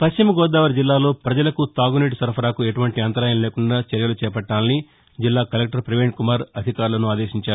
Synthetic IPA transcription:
pɐʃt͡ʃimɐɡɔːd̪aːʋɐɾd͡ʒilːaːlo̞ːpɾɐd͡ʒɐlɐkut̪aːɡuniːʈusɐɾpʰɐɾaːkueʈuʋɐɳʈiɐnt̪ɐɾaːjɐnleːkuɳɖaːt͡ʃɐɾjɐlut͡ʃɛːpɐʈːaːnli | d͡ʒilːaːkɐlek̚ʈɐɾpɾiʋeːɳʈkumaːɾɐd̪ʱikaːɾulɐnuaːd̪eːʃiɲt͡ʃaːɾu

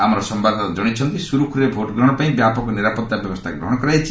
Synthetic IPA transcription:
amɔɾɔsɔmbad̪ʱɔt̪ɔd͡ʒɔɽ̃it͡ʃʰɔnt̪isuɾukʰɾɾebʱoʈɔɡɾɔɽ̃ɔpaĩbjapɔkɔniɾapɔt̪ːabjɔbɔst̪ʰakɡɾɔ̰ɦɔɽ̃ɔkɔɾajt͡ʃʰi̥

